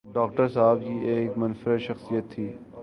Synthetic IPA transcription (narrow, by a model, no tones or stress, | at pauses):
ɖɔːk̚ʈəɾsaːb̚kieːkmɐnfɾəʃɐxsijət̪ʰːiː